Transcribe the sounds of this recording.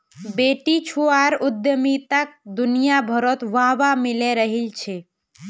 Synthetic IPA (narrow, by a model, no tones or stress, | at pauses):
beːʈit͡ʃʰuaɾʊd̪jəmit̪ək̚d̪ʊnijabʱəɾɔt̪ʋaːʋamɪleɾəɦilt͡ʃʰe